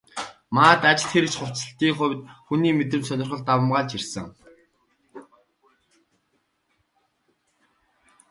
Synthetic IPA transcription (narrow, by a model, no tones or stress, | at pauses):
maːt̪at͡ɕɪ̥̆t̪xeɾɘ̆t͡ɕχʊw̥t͡sə̆ɬt̪iːŋχʊ̟wʲt̪xuniːmet̪̬ɘ̆mt͡ɕsœnʲɪ̆rχə̆ɮt̪awə̆mʁaːɮt͡ɕirsɘ̆ŋ